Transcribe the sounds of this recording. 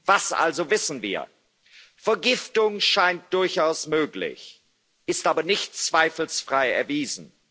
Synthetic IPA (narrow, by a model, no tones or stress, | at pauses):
vasʔa̰lzovɪsn̩viːɐ | fɛɐɡɪftʊŋʃaɪnt̚d̥ʊɐçʔaʊsmøːklɪ̰ç | ʔɪstʔaːbɐnɪçtt͡sv̥aɪfl̩sfʁ̥aɪɛ̰ɐviːzn̩